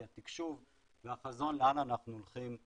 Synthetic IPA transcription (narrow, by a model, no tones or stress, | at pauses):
at̪ikʃuv | veaχazonleananaχnuuolχim